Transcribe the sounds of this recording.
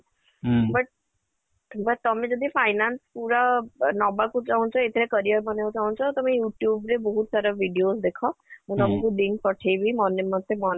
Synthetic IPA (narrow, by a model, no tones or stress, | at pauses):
bʌʈ̚ | bəʈ̚t̪ɔmẽd͡ʒɔd̪ipʰajnanspuɾanɔbakut͡ʃaɦũnt͡ʃʰɔet̪ʰeɾekəɾijəɾbɔneʋot͡ʃaɦũnt͡ʃʰɔt̪ɔmẽjuʈjubɾebɔɦut̪saɾɔbʱiɖijosd̪ekʰɔmũt̪ɔmãkud̪inpɔʈʰejbʱimɔnemɔd̪ʰʱemɔn